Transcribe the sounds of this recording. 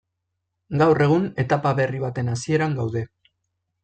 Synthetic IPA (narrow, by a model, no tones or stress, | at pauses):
ɡawre̞ɣ̞une̞t̪apaβe̞riβ̞at̪e̞nasie̞ɾaŋɡawðe̞